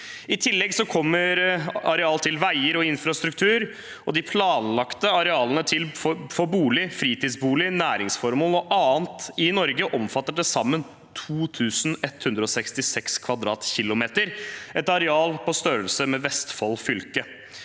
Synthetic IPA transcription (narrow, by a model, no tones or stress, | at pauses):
ɪt̪ʰɪlːɛɡsɔkʰɔmːəɾɑɾɛɑːlt̪ʰɪlʋæɪəɾɔɪnfɾɑst̪ɾʉkt̪ʰʉːɾ | ɔd̪ɪpʰlɑːnlɑkt̪əɑɾɛɑːlənət̪ʰɪlffɔbuːlɪfɾiːt̪iːd̪sbuːlɪnæːɾɪŋsfɔɾmoːlɔʔɑːənt̪ɪnɔɾɡəʔɔmfɑt̪ːəʈ̚ɖ̪ɛsɑmːən | t̪ʰuːt̪ʰʉːsn̩ɛt̪hʉnd̪ɾəɔsɛkst̪ɪsɛkskʰʋɑd̪ɾɑːt̪çɪlʊmeːt̪əɾʔɛt̪ɑɾɛɑːlpɔst̪øːɾəlsəmɛʋɛst̪fɔlfʏlkə